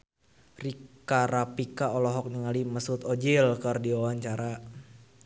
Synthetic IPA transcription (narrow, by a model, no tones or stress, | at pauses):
rikaɾapikaɔlɔɦɔk̚niŋaliməsut̪ɔd͡ʒilkərdiwawaɲt͡ʃaɾa